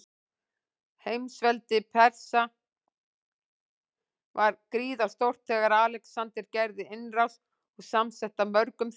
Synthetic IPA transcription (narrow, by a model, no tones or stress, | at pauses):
hejmsvɛlt̪ɪpʰɛɾ̥sa | vaɾkɾiːðast̪owr̥t̪ʰːɛːɣaɾaːlɛksant̪ɪɾcɛjɾðɪɪnraws | ɔɣsamsɛht̪amœɾkʏmθ